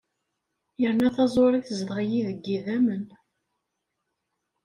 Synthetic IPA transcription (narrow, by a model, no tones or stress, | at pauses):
jəɾnæθɑzˤoɾˤiθəzðʁjiðəɡːiðæmən